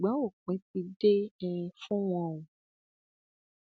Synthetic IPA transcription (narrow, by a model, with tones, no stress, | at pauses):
ɡ͡bã˨˦o˦˨k͡pẽ˨˦ti˧de˦ɛ̃˧fũ˦w̃ɔ̃˧˨ũ˨